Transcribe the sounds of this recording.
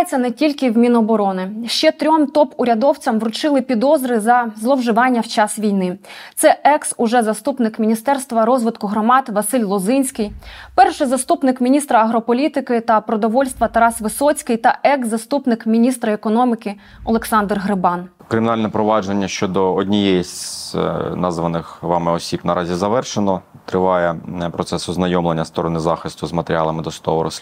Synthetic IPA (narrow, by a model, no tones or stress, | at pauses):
jet͡sʲːɐnɛtʲilʲkɪwmʲinɔbɔɾɔnɪʃt͡ʃɛt̪ɾʲɔmt̪ɔpʊɾʲɐd̪ɔwt͡sʲɐmʋɾʊt͡ʃɪlˠɪpʲid̪ɔzɾɪzɐzlˠɔwʒɪʋɑnʲːɐwt͡ʃɑsʋʲijnɪt̪sɛɛksʊʒɛzɐst̪upnɪkmʲinʲist̪ɛrst̪ʋɐɾɔzʋɪt̪kʊɦɾɔmɑd̪ʋɐsɪlʲlˠɔzɪnʲsʲkɪjpɛrʃɪzɐst̪upnɪkmʲinʲist̪ɾɐɐɦɾɔpɔlʲit̪ɪkɪt̪ɐpɾɔd̪ɔʋɔlʲst̪ʋɐt̪ɐɾɑsʋɪsɔt͡sʲkɪjt̪ɐɛɡzːɐst̪upnɪkmʲinʲist̪ɾɐekɔnɔmʲikɪ | ɔlˠeksɑnd̪rɦɾɪbɑn | kɾɪmʲɪnɑlʲnɛpɾɔʋɑd͡ʒenʲːɐʃt͡ʃɔd̪ɔɔdʲnʲijɛjisʲ | nɑzʋɐnɪxʋɑmɪɔsʲibnɐɾʔɑzʲizɐʋɛrʃenɔ | t̪ɾɪʋɑjɛpɾɔt̪sɛsɔznɐjɔmlˠenʲːɐst̪ɔɾɔnɪzɑxɪst̪ʊzmɐt̪eɾʲɑlˠɐmɪd̪ɔst̪ɔʋɔɾɔ̰sʲ